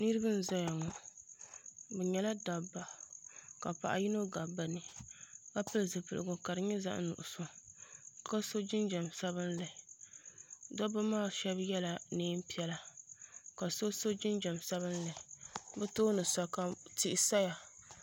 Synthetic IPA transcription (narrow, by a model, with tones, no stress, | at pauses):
nɨ˦ɾɨ˦bɨ˦n̩˦za˦ja˨ŋɔ˨ | bɛ˨ɲɛ˨la˦da˨ba˨ka˨pa̰˨ʔa̰˨ji˦no˦ɡa˨ba˨nɨ˨ka˦pɨ˦lzɨ˨pɨ˨lɨ̰˨ɡʊ˨ka˨ɾɨ˨ɲɛ˦za̰˦ʔnʊ̰˨ʔʊ˨sɔ˦ | ka˦so˦d͡ʒɪ˦nd͡ʒa˨msa˦βɨ˦nlɨ˨ | dɔ˦ba˦maː˦˨ʃɛ˦bjɛ˦la˨niː˦m˦pi˦ɛ˦la˨ | ka˨so˦so˦d͡ʒɪ˦nd͡ʒɛ˨msa˦βɨ˦nlɨ˨bɛ˦toː˦nɨ˨sa˨ka˨ti˦ʔsa˦ja˨